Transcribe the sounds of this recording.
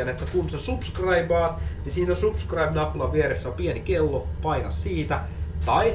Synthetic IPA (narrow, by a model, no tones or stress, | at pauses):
ænet̪ːækunsesupskrɑibɑːt̪nisiːnosupskrɑibnɑplɑʋʋieɾesːæompienikelːopɑikɑssiːt̪æ | t̪ɑi